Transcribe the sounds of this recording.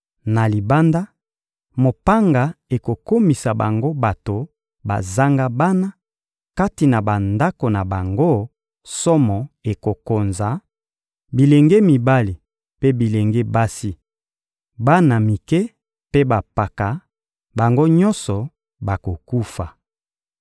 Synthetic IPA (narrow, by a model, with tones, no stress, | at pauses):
na˨li˨ba˦nda˦ | mo˨pa˦ŋɡa˨e˨ko˨ko˦mi˨sa˨ba̰˨ŋɡo˦ba˨to˨ | ba̰˨za˦ŋɡa˦ba˦na˦ | ka˦ti˨na˨ba˨nda˦ko˨na˨ba˨ŋɡo˦ | sɔ˦mɔ˨e˨ko˨ko˨nza˨˦ | bi˨le˨ŋɡe˦mi˨ba˦li˨ | pe˦bi˨le˨ŋɡe˦ba˦si˦ | ba˦na˨mi˨kɛ˦ | pe˦ba˨pa˨ka˨ | ba˨ŋɡo˦ɲɔ˦nsɔ˨ | ba˨ko˨ku˦fa˨